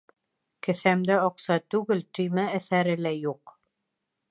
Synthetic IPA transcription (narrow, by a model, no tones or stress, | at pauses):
kɘ̆θæmd̪æɑqsɑt̪ʉɡɘlt̪ɵ̆jmæːθæɾɘ̆læjuq